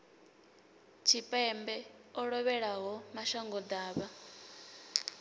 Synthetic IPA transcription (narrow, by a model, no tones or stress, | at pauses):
t͡ʃʰipʼɛmbɛɔɺɔβɛɺaɦɔmaʃaŋɡɔd̪aːβa